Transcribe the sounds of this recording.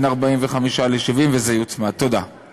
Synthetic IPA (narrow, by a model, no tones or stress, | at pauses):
naʁbaimveχamiʃaleʃivimvezejut͡smat̪od̪a